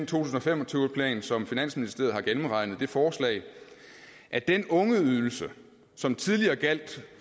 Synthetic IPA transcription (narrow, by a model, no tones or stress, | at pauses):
nt͡sʰo̝̰ːt͡sʰusn̩ɒ̽fem̰ɒ̽t͡sʰyːʊpʰlɛ̰ːnsɒ̽mfinæn̰sminisd̥e̝ɐð̩ˠhɑ̈ɡ̥enm̩ʁɑ̈ɪnð̞̩ˠd̥e̝fɒːslɛ̰ɪ | ʔæd̥enɔ̽ŋəyðˠl̩sə | sɒ̽mt͡sʰið̞ˠliɐːɡ̥æl̰d̥